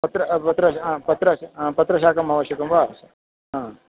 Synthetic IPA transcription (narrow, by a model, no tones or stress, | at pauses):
pɐt̪ɾɐpɐt̪ɾɐpɐt̪ɾɐ̃pɐt̪ɾɐʃaːkɐmɐʋɐɕɐkɐmʋaːs | ɦãː